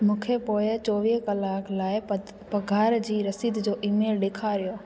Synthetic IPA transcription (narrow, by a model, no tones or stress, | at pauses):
mũːkʰepoːɪt͡ɕɔːʋiːɦkɐlaːklaːɪ | pɐɡʱaːɾd͡ʑiːɾɐsiːd̪d͡ʑoːʔiːmeːlɗeːkʰaɾijoː